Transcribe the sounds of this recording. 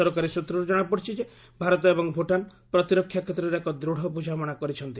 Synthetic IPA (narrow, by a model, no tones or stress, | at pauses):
ɔɾɔkaɾisut̪ɾɔɾud͡ʒɔɽ̃apɔɽt͡ʃʰid͡ʒe | bʱaɾɔt̪ɔebɔŋbʱoʈanpɾɔt̪iɾɔkʰːjakʰet̪ːɾɔɾeekɔd̪ɾoɽ̤ɔpud͡ʒʱamɔɽ̃akɔɾit͡ʃʰɔnt̪i